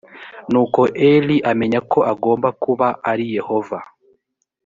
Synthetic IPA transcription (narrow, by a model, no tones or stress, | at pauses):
nuːko̞ʔeliʔame̞ɲako̞ʔaɡo̞ːmbakuβaaɾije̞ho̞va